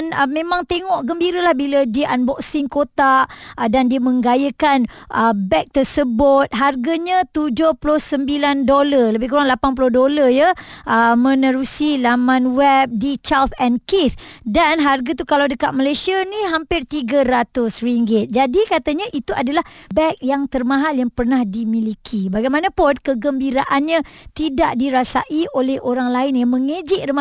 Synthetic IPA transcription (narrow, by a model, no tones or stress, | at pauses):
nəmẽmãŋt̪eŋɔʔɡəmbiɾəlahbilədiʔanbɔksɪŋkot̪aʔdandiəmə̃ŋɡajəkanʔəbɛk̚t̪ərsəbʊt̪̚ɦarɡaɲãt̪ud͡ʒʊhplʊhsəmbilandolaləbɪhkuɾaŋlapanp̬ulʊdolajəʔəmə̃nəɾusilamãnwɛp̚dit͡ʃalt̪ɛnkit̪danɦarɡat̪ukalawdəkat̪̚malajsianiɦampɪrt̪iɡaɾat̪ʊsriŋɡɪt̪̚d͡ʒadikat̪aɲãʔit̪uʔadalahbɛk̚jaŋt̪ərmãɦaljaŋpərnahdimilikʰibaɡajmãnãpʊnkəɡəmbiɾaʔanɲãt̪idaʔdiɾasa̰ʔiʔolɛhʔoɾaŋlaɪnjamə̃ŋə̃d͡ʒɪʔrəma